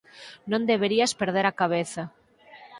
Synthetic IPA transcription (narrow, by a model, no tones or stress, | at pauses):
nõnd̪eβeɾiaspeɾðeɾakaβ̞eθa